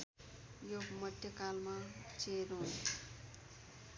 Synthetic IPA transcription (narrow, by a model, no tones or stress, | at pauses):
jomʌd̪ʱjʌkalmat͡seɾũ